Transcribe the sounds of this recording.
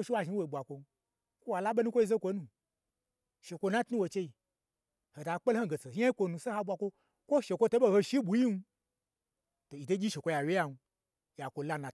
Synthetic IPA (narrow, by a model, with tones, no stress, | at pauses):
o˦ʃi˦wa˧ʒi˧˦wo˨ɓʷa˨kʷo˧n˦ | kʷo˦wa˨la˦ɓe˦nu˦kʷo˦i˧ze˦kʷo˧nũ˧˨ | ʃe˨kʷo˧nã˦tnũ˦wo˨t͡ʃe˧i˨ | ho˨da˨˧k͡pe˦lho˦˨ɡe˨t͡se˨˧˦a˦i˦kʷo˧nũ˧se˦ha˧ɓʷa˧kʷo˧˦ | kʷo˦ʃe˨kʷo˧to˦ɓo˧ho˧ʃi˦ɓʷu˨˦ji˦n˧ | to˨i˨to˦ɡʲi˦ʃe˨kʷo˧ja˨we˦ja˧nu˧ | ja˨kʷo˧la˦nã˨